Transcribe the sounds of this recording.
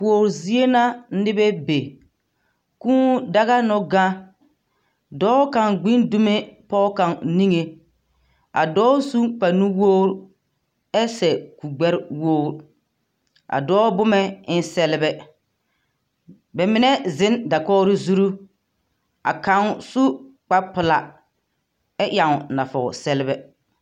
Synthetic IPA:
pu˨o˨ɾzi˦e˦na˦nɪ˦bɛ˦be˨ | kũ˦da˦ɣa˦nɔ˦ɡa˦ | dɔː˦ka˨ŋɡ͡bi˦ndu˦me˦pɔː˦ka˨ŋni˦ŋe˨ | a̰˨dɔː˦su˦k͡pa˨nu˦woː˦ɾ | ɛ˦sɛ˨ku˨ɡ͡bɛ˦ɾwoː˦˨ɾ | a̰˨dɔː˦bʊ˦mɛ˦ɪ˦nsɛ˦lɪ˦bɛ˦ | bɛ˨mɪ˦nɛ˦zɪ˦nda˨kɔː˦ɾɪ˦zu˦ɾu˦ | a̰˨ka˨ŋsu˦k͡pa˦pɪ˨la˨ | ɛ˦ja˨ŋ˨na˨fɔ̰˨sɛ˦lɪ˦bɛ˦

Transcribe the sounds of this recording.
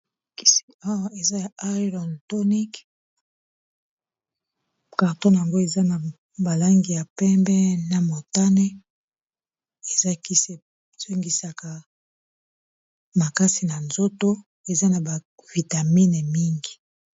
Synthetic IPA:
ki̥˦si̥˦a˦wa˦e˨za˦ja˨ʔa˦ʁi˦lɔ˨nto˦ni˦k | ka˨ʁtɔ̃˦n˨ja˨ŋɡo˦e˨za˦na˨ | ba˨la˦ŋɡi˨ja˨pɛ˦mbɛ˦na˨mo˨ta˦nɛ˦ | e˨za˦ki˦se˦ | zo˦ŋɡi˨sa˨ka˨ | ma˨ka˦si˨na˨nzo˦to˦ | e˨za˦na˨ba˨ | vi˨ta˨mi˦nɛ˨mi˦ŋɡi˨

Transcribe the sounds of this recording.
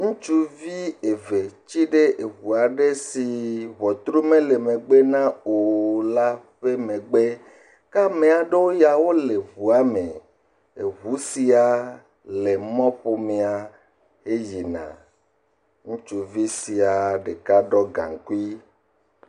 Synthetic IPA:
ŋũ˦t͡ʃu˦vi˦e˨ve˨t͡ɕi˦ɖe˦ʔe˨ɦu˨a˨ɖe˦si˨βɔ˨t̪ɾu˦mẽ˦le˨mẽ˨ɡ͡be˦nã˦o˨la˦ɸe˦mẽ˨ɡ͡be˦ | ka˦mẽ˨a˨ɖe˦wo˦ja˨wo˦le˨βu˨a˦me˨ | e˨ɦu˨˦si˨a˨ | le˨mɔ̃˦ɸo˦mẽ˨a˨ | e˦ji˨nã̰˨ | ŋũ˦t͡ʃu˨vi˦si˨a˨ɖe˨ka˦ɖɔ˦ɡã̰˨ŋ˨ku˦i˦

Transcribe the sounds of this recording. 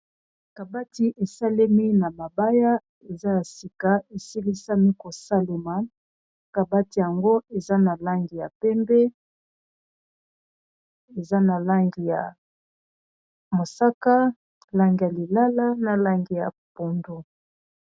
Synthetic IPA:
ka˨ba˦ti˨ʔe˨sa˦le˦mi˦na˨ma˨ba˦ja˦ | e˨za˦ja˨si˨ka˨e˨si˦li˦sa˦mi˦ko˨sa˦lo˨ma˨ | ka˨ba˦ti˨ja˨ŋɡo˦e˨za˦na˨la˦ŋɡi˨ja̰˨pɛ˦mbɛ˦ | e˨za˦na˨la˦ŋɡi˨ja̰˨ | mo˨sa˦ka˦ | la˦ŋɡi˨ja˨li˨la˦la˦na˨la˦ŋɡi˨ja̰˨po˨ndo˨

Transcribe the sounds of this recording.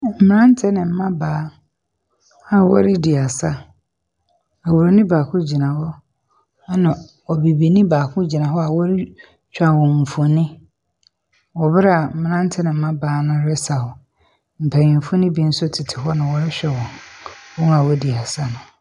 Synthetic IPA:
m̩˦mɪ̃˨nã˦n˦tʰɛ˦nɪ̃˨m̩˦mã˦baː˨˦ | a˦˨wɔ˦ɾi˦di˨a˨sa˦ | a˨wu˨ɾo˨nĩ˦baː˨kʰʊ̃˦d͡ʑi˨nã˨hɔ˦ | nã˨ | ɔ˨bi˨bi˨nĩ˦baː˨kʰʊ̃˦d͡ʑi˨nã˨ɦɔ˦a˨wɔ˦ɾɪ˦ | t͡ɕᶣã˦˨nwɔ̃˨ɱ̩˨fo˨nɪ̃˦ | wɔ˨bɪ˦ɾa˨m̩˦m˨˦ã˦n˦tʰɛ˦nɪ̃˨m̩˦mã˦baː˨˦nʊ̃˦ɾɪ˦sa˨ɔ˨ | m̩˨pʰæ˨ɲĩ˨m̩˨fʊ˦nɪ̃˦bi˦n̩˦sʊ˦tʰɪ˨tʰɪ˨ɦɔ˦nã˨wɔ˦ɾɪ˦ɕᶣɛ˨˦wɔ̃˨nwɔ̃˦ŋ˦a˨wɔ˦di˨a˨sa˦nʊ̃˨

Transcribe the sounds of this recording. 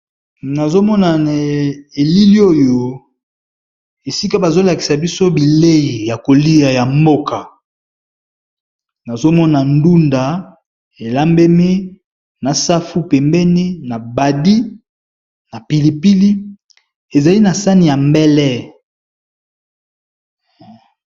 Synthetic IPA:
na˨zo˦mɔ˦na˨e˨li˦li˦o˦jo˨ | e˨si˦ka˦ba˨zo˦la˨ki̥˨sa˨bi˦so˦bi˨le˦ji˨ja˨ko˨li˦ja˨ja˨mbo˦ka˨ | na˨zo˦mɔ˦na˨ndu˦nda˨ | e˨la˦mbe˦mi˦ | na˨sa˦fu˦pe˨mbɛ˦ni˦na˨ba˨di˦ | na˨pi˨li˨pi˦li˦ | e˨za˨li˦na˨sa˦ni˨ja˨mbɛ˦lɛ˦

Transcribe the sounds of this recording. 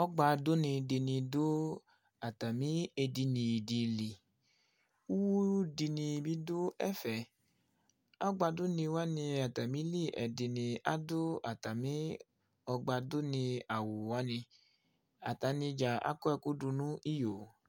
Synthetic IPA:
ɔ˦ɡ͡ba˧do˦nĩ˧di˧nĩ˧do˦ | a˨ta˨mĩ˨˦e˧di˧nĩ˧˨di˧li˨ | u˦wu˦di˧nĩ˧bĩ˦do˦ɛ̰˦˨fɛ˨ | a˦ɡ͡ba˧do˦nĩ˧wa˦nĩ˧a˨ta˨mĩ˨˦li˦˨ʔɛ̰˨di˧nĩ˧a˦do˦a˨ta˨mĩ˨˦ | ɔ˧ɡ͡ba˧do˦nĩ˧a˨wu˨wa˨˦nĩ˧ | a˨ta˨˧˦nĩ˧d͡ʒa˨a̰˦kɔ˦ɛ˧ku˦du˧nũ˦i˦jo˨

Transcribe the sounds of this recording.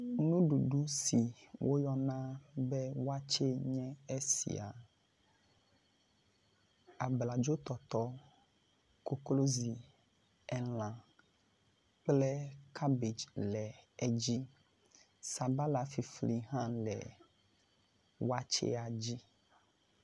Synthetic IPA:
nũ˦ɖu˨ɖu˦si˨wʔo˦jɔ˦nã˦bɛ˦wo˦a˦t͡ʃe˦ɲɛ̃˦ɛ˦sḭ˨a̰˨ | a˨bla˨d͡ʒo˦t̪ɔ˨t̪ɔ˦ | ko˨klo˦zi˨ | ɛ˨l̃ã˨ | k͡plɛ˦kʰa˦be˨d͡ʒlɛ˨ɛ˦d͡ʑi˦ | sa˨ba˦la˨fi˨fli˦ɦã˦lɛ̰˨ | wo˦a˦t͡ʃḛ˦a˨d͡ʑi˦

